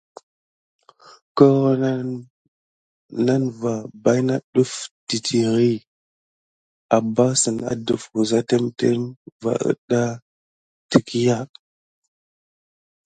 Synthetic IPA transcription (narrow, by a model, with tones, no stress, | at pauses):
ko˦ɣo˦n˦ | na˦nva˨ba˦jna˦ɗu˦fti˨tʰi˨ɣi˦ | a˨ba˦sə˨na̰˨du˨fku˨za˦te˦mte˦mva̰˨ʔə̰˦ɗa˦ | ti˨ki˦ja˦